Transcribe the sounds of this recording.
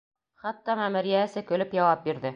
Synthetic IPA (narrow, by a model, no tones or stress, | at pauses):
χæt̪ːɑmæmɘ̆ɾjæɘ̆sɘkɵ̆lɘpjɒwɑp̚biɾðɘ